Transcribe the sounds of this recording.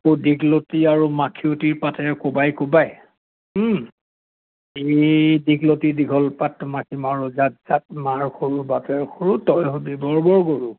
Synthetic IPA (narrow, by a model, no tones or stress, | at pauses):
kodiɡlotiaɹumakʰiotiɹpatɛɹɛkobajkobaj̩ | ediɡlotidiɡʱɔlpatmakʰimaɹuzat̚z̥at̚maɹxʰoɹubatɛɹxʰoɹutɔjɦobibɔɹbɔɹɡoɹu